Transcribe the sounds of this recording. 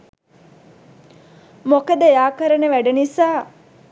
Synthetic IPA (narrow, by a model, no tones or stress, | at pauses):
mokəd̪əjaːkəɾənəʋæɖenisaː